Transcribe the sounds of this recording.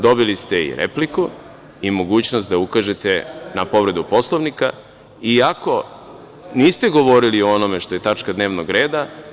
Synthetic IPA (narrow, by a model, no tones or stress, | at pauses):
d̪o̞bilist̪e̞ḭɾʔḛpliku | imo̞ɡuːt͡ɕnost̪d̪aukaʒe̞t̪enapo̞ʋɾe̞d̪upo̞slˠoʋnika | iako̞ | niːst̪eɡo̞ʋo̞ɾilioonomeʃt̪o̞je̞t̪at͡ʂkad̪neːʋnoɡɾe̞ːd̪a